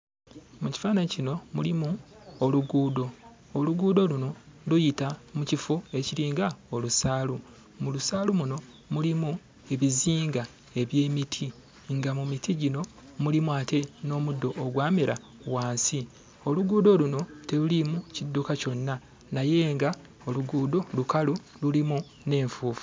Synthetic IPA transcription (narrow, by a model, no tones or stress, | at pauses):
muci̥faːnaɲicino̞mulimuoluɡuːdo̞ː | luɡuːdo̞luno̞lujitamucifue̞ciɾiːŋɡao̞lusaːlu | mulusaːlumuno̞ | mulimu | e̞βiziːŋɡa | e̞βje̞ːmitʰi | ŋɡamumitʰiɟino̞ | mulimuate̞no̞ːmudːo̞ʔːɡwaːmeɾa | waːnsi | o̞luɡuːdoluno̞te̞lulimucidːukaco̞nːa | naje̞ːŋɡa | o̞luɡuːdo̞lukalu | lulimu | ne̞ːɱfuːfu̥